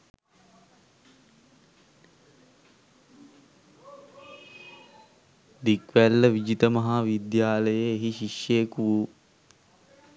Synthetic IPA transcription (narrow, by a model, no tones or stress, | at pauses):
d̪ikʋælːəʋid͡ʒit̪əmɐɦaːʋid̪jaːləjeːɦiʃiʃjekuʋu